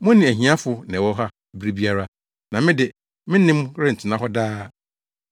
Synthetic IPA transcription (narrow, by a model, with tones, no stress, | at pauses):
mʊ̃˦nɪ̃˨æ˨ɦĩ˨˦a˦fʊ˨nɛ̃˨wɔ˦ɦa˦ | bɾi˦bi˦a˦ɾa˦ | nã˨mɪ̃˦dɪ˨ | mɪ̃˦nɪ̃˦mkɾɪ˦n̩˨tʰɪ˨nã˦ɦɔ˦daː˦˨